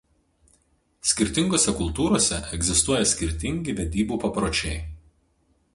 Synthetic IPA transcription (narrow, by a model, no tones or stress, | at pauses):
sʲkʲɪɾʲt̪ʲɪŋɡoːsʲɛkʊlˠt̪uːɾoːsʲɛ̰ʔɛɡzʲɪst̪uɔjɛsʲkʲɪɾʲt̪ʲɪŋʲɡʲɪʋʲɛd̪ʲiːbuːpɐpɾoːt͡ʃʲɛɪ